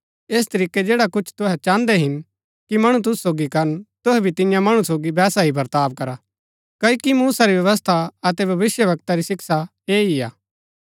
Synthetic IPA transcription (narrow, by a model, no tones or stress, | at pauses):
eːs̬t̪ɐɾiːkːed͡ʒeːɽakʊt͡ʃʰt̪ʊɦɛt͡ʃãːnd̪ɛɦɪn | kimɐɽ̃ũt̪̬ʊsːoːɡikɐɾənt̪ʊɦɛbʱit̪ɪjãmɐɽ̃ũsoːɡibɛːsaɦibʱɐɾt̪aːʋ̚kɐɾa | kɐikimuːsaɾiʋjɐʋəs̬t̪ʰaɐt̪ɛbʱɐʋɪsjəʋɐk̚t̪aɾisɪksa | eːia̰ː